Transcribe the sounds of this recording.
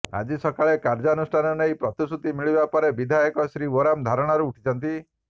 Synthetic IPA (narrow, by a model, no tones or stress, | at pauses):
a̰d͡ʒisɔkaɭekaɾd͡ʒɔɔnusʈʰanɔnejpɾɔt̪isut̪imiɭibapɔɾebid̪ʱajɔkɔsɾioɾamd̪ʱaɾɔɽ̃aɾuːʈʰi̥t͡ʃʰɔnt̪i